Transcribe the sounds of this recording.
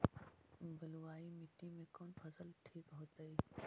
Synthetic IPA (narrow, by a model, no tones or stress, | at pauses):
bʱəluaːimɪʈimẽkoːnfʰɐsəlʈʰiːkɦoːt̪əiː